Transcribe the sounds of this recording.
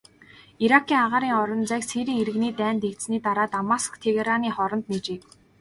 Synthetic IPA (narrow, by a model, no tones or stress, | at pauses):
iɾakʰiːŋaʁaːɾiːŋɔɾɞ̆nt͡sækseːɾiːŋeɾɘ̆ɣniːt̪æːnt̪ekt̪sniːt̪aɾaːt̪amaskt̪ʰeɣeɾaniːχɔɾɞ̆nt̪net͡ɕeːk